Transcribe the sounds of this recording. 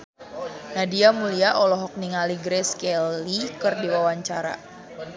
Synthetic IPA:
nadiamuliaʔɔlɔɦɔk̚niŋaliɡɾɛskɛlikɨrdiwawaɲt͡ʃaɾa̰

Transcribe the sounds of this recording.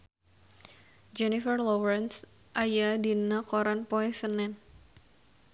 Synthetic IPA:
d͡ʒɛnifərlɔwɾɛns | ʔajadinakoɾanpɔɛsənɛn

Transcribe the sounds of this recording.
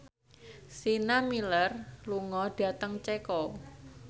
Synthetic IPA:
sinamilərluŋɔɖ̥a̤t̪əŋt͡ʃɛkɔ

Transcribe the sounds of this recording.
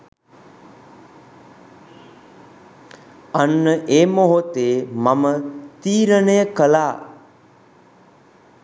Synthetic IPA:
anːəʔeːmoɦot̪eːmamət̪iːɾənejəkəlaː

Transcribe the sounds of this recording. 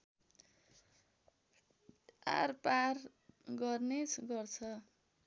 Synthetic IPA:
a̰rpar | ɡʌrnet͡sʰɡʌrt͡sʰʌ

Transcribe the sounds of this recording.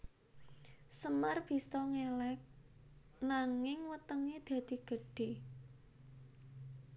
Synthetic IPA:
səmarb̥i̤sɔŋelɛk̚ | naŋɪŋwət̪əŋed̪̥ä̤d̪̥i̤ɡ̥ə̤ɖ̥e̤

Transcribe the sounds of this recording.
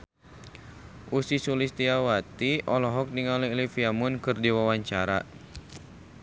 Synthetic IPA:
ʔusisulist̪iawat̪iʔɔlɔɦɔk̚niŋalilifiamunkɨrdiwawaɲt͡ʃaɾa̰

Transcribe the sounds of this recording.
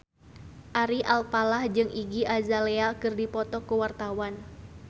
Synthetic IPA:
ʔaɾiʔalpalahd͡ʒɨŋiɡiʔazalɛakɨrdipɔt̪ɔkuwart̪awan

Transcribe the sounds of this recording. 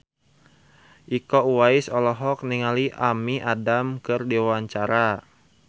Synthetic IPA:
ʔikɔuwaisɔlɔɦɔk̚niŋaliʔamiʔadamkɨrdiawaɲt͡ʃaɾa

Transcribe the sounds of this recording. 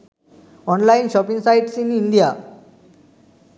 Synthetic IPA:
ɔnlainɕɔpiŋɡsajʈsininɖija

